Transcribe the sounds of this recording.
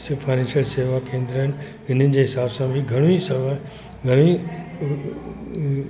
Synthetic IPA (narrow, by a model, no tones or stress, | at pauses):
sfaːɪnɛ̃nʃjəlseːʋakẽːnd̪ɾəɦɪnɪ | ɪn̤ənɪ̆d͡ʑeːɦɪsaːbsãbʱiɡʱɐɽ̃uisɐʋa | ɡʱɐɽ̃ui